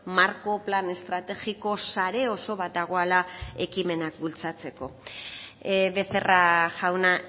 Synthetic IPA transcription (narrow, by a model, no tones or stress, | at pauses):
maɾko̞plane̞st̪ɾat̪e̞ɣiko̞saɾe̞o̞so̞βat̪̚d̪aɣ̞o̞alae̞kime̞nakbult͡sat͡se̞ko̞ | βe̞θe̞raʝawna